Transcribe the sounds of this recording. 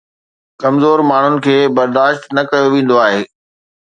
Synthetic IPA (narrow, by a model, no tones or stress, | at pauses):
kɐmzoːɾmaːɳ̤ʊnɪ̆kʰeːbɐɾd̪aːʃt̪nɐkɐjoʋẽːn̆d̪oaːɦeː